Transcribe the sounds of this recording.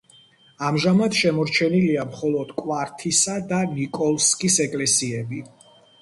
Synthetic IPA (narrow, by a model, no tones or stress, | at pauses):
amʒamad̪ʃɛmɔɾt͡ʃʰɛniliamχɔlˠɔd̪̥kʼwaɾt̪ʰisad̪anikʼɔlˠskʼisɛkʼlɛsiɛbi